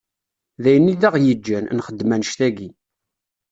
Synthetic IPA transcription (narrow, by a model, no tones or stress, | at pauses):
ðæjənːiðæʁjəd͡ʒːænnχəd̪ːmænəʃθæɡi